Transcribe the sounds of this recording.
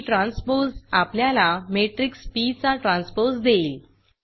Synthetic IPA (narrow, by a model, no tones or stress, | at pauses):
ʈɾãnsposapljalameʈɾikspit͡saʈɾãnspoɾsd̪eil